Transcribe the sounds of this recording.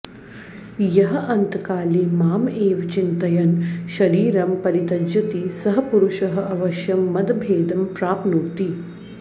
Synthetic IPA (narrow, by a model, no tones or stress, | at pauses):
jɐɦɐʔɐnt̪kaːlimaːmeːʋt͡ʃint̪ɐjɐnʃɐɾiːɾɐmpɐɾit̪ɐd͡ʒɐt̪isɐɦɐpuɾuʃɐɦɐ̆ɐʋɐʃjɐmːɐd̪ɐbʱeːd̪ɐmpɾaːpnut̪i